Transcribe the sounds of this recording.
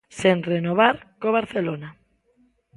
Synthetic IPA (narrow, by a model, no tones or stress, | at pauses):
senrenoβ̞aɾkoβ̞aɾθelona